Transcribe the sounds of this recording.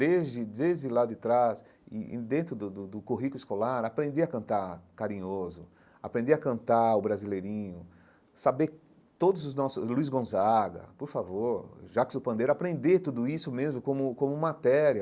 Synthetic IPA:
d̪ezd͡ʒɪd̪ezd͡ʒɪlad̪ɪt̪ɾas | ɪ̰̃d̪ẽnt̪ɾʊd̪ʊd̪ʊd̪ʊkuɦikʊɪskolaɾapɾẽnd̪eɐkɐ̃nt̪aɾkaɾĩɲozʊ | a̰pɾẽnd̪eɐkɐ̃nt̪aʊbɾazilejɾĩɲʊ | sabe | t̪od̪ʊzʊznɔsʊluizɡõzaɡɐ̰poɾfavoɾʒakɪsʊpɐ̃nd̪ejɾapɾẽnd̪et̪ud̪ʊisʊmezmʊkõmʊkõmʊmat̪ɛɾiɐ

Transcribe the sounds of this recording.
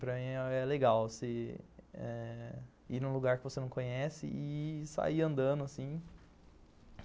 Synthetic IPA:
pɾɐmĩɔɛleɡawsɪ | ɛ | inũluɡaɾkɪvosenɐ̃w̃kõɲɛsɪ̰ʔɪsa̰iɐ̃nd̪ɐ̃d̪ʊasĩ

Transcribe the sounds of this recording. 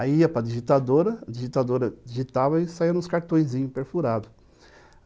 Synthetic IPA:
aiɐpɾɐdiʒit̪ad̪oɾɐd͡ʒiʒit̪ad̪oɾɐd͡ʒiʒit̪avɐɪsaiɾɐ̃ʊskaɾt̪õj̃zĩɲʊpeɾfuɾad̪ʊ

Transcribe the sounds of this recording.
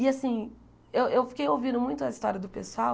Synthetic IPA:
ɪasĩ | ewʔewfi̥kejowvĩnd̪ʊmũj̃t̪ʊɐist̪ɔɾiɐd̪ʊpesʊaw

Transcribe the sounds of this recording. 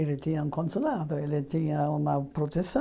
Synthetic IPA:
elet̪iaŋkʰonsolaːðoelet̪iːaunapɾot̪esː

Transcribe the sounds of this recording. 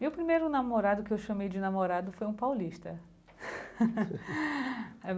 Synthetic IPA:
mewpɾimejɾʊnamoɾad̪ʊkɪewʃɐ̃mejd͡ʒɪnamoɾad̪ʊfojũpawliʃt̪ɐ | ɛ

